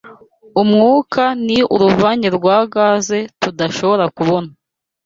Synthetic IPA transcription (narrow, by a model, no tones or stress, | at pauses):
umŋuːkʰaniuɾuvaːɲeɾɡwaːɡaːze̞tudaʃo̞βo̞ɾakuβo̞na